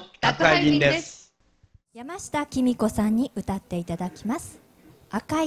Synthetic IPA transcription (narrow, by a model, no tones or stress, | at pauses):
akaĩnd̪es | jamaɕi̥t̪akʲimʲiko̞sãɲ̟ːiʔɯ̟t̪at̪ːe̞it̪ad̪akʲimasɨ̥ | aka